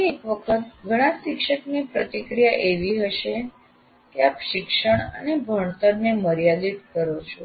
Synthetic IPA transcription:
iekʋəkʰət̪ɡʱəɽ̃ãsɪkʃəknipɾət̪ikɾijaʔeʋiɦəʃe | keapʃɪkʃəɳə̰nebʱəɳ̃t̪əɾneməɾijalit̪kəɾot͡ʃʰo

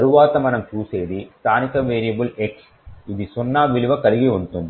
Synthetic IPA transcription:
ɐɾuʋaːt̪ɐmɐnɐmt͡ʃuːseːðist̪ʰaːnikɐʋeːɾijɐbuleks | iðisɔnːaːʋiɭiʋɐkɐɾiɡiunt̪und̪i

